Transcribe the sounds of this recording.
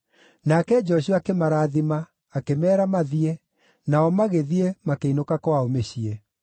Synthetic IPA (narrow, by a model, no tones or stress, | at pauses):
nakɛd͡ʒɔɕ̬uakemaɾaːðimaː | kemɛːɾamaðie | naɔmaɣeðiemakeinokakwaomeɕie